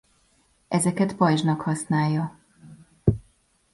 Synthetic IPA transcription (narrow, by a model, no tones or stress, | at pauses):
ʔɛzɛkɛt̪pɒjʒnɒkhɒsnaːjːɒ